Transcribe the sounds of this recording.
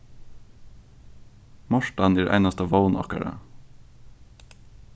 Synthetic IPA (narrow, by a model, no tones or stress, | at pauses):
mɔʃʈɑniːɾʔæ̰ɪnɑst̪əʋəʊnʔɑ̰kə̰ɾə̰